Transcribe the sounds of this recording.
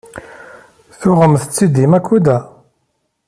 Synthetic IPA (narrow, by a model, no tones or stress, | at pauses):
θʊʁəmθət͡sːid̪imækʷːud̪æ